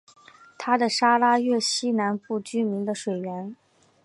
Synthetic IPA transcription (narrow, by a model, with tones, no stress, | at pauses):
t̪ʰa˥d̪ə˨ʂa˥la˥ɥɛ˥˩ɕi˥na˧˥npu˥˩t͡ɕy˥mi˧˥ŋd̪ə˧ʂwe˨˩ɪɥɛ˧˥n